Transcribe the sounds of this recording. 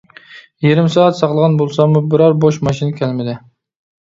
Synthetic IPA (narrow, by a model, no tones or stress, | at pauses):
jeɾɪmsɑːɛt̪sɑqlˠəʁɑnbolˠsɑmubɪɾɑɾboʃmɑʃinkʲʰælmɪd̪ɪ